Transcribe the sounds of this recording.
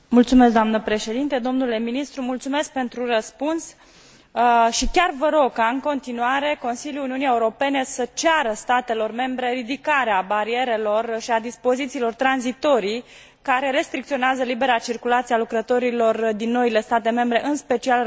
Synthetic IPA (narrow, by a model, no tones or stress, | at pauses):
mult̪sumes̬d̪oamnəpɾe̞ʃe̞d̪int̪ed̪o̞mnule̞minist̪ɾumult̪sume̞sk̚pe̞nt̪ɾurəspuns | ʃikʲarvəɾo̞ɡ̚kaɨŋko̞nt̪inuaɾe̞ko̞nsiljuluniuniaeuɾo̞pe̞ne̞sət͡ʃaɾəst̪at̪e̞lo̞rme̞mbɾe̞ɾid̪ikaɾeabaɾie̞ɾe̞lo̞rʃiad̪ispo̞zit̪siːlo̞rt̪ɾanzit̪o̞ɾi | kaɾe̞ɾe̞st̪ɾik̚t̪sio̞neazəlibe̞ɾat͡ʃirkulat̪sialukɾət̪o̞ɾilo̞rd̪inːo̞ile̞st̪at̪e̞me̞mbɾe̞ʔɨnspe̞t͡ʃial